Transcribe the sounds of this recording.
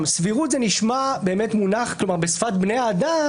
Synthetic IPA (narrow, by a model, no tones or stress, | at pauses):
msviʁut̪zeniʃmabeːme̞tmunaχklo̞maʁbesfat̪bnejaːd̪a